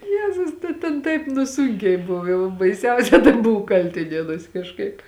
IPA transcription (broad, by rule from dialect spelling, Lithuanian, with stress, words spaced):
ˈjæːzʊs tɐ tʲɛn ˈtɐɪp nʊ ˈsuːŋʲkʲɛɪ ˈbʊw ˈjɛʊ bɐɪˈsʲɛʊsʲɛ tɐɪ ˈbʊʋʊ ˈkɐlʲtʲɪnʲiɛnuɔsʲ kɐʃˈkɐɪp